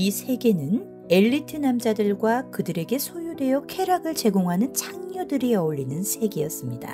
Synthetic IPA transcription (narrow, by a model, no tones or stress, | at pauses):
isʰe̞ɡe̞nɯn | e̞ʎːitʰɯnamd͡ʑadɯɭɡwakɯdɯɾe̞ɡe̞sʰojudwe̞jʌkʰe̞ɾaɡɯɭt͡ɕe̞ɡoŋɦanɯnt͡ɕʰaŋɲʌdɯɾiʌuɭːinɯnsʰe̞ɡejʌs͈ɯmɲida̰